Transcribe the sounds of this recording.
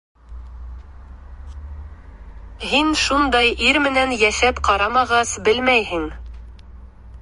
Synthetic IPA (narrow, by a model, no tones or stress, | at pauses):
hinʃund̪ɑjiɾmɘ̆nænjæʃæpqɑɾɑmɑʁɑsbɘlmæjhɘŋ